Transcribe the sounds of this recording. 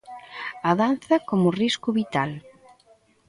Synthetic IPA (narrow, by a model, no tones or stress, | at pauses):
ɐðan̟θɐkomʊriskʊβit̪al